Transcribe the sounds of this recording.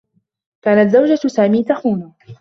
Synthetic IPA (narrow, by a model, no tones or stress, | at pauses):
kaːnat̪zawd͡ʒasaːmiːt̪axuːnʊ